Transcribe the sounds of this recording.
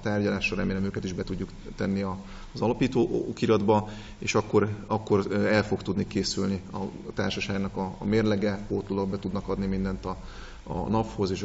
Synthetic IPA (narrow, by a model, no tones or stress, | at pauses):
t̪aːrɟɒlaːʃɒɾɛmeːlɛmøːkɛt̪iʒbɛt̪uɟːuk | t̪ɛnːiɒ | zɒlɒpiːt̪oːkiɾɒd̪bɒ | eːʃɒkːo̞ɾɒkːo̞rɛlfo̞kt̪ud̪nikeːsylniɒ̰ | t̪a̰ːrʃɒʃaːɡnɒkɒ̰meːrlɛɡɛkoːt̪lulɒɡbɛt̪ud̪nɒkɒd̪nimind̪ɛnt̪ɒ̰ | nɒpho̞zeːʃ